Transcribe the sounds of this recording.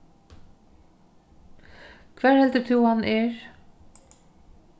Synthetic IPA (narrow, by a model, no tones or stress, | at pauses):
kʰvæːɹhɛlt̪ət̪ʰuhanʔɪɹ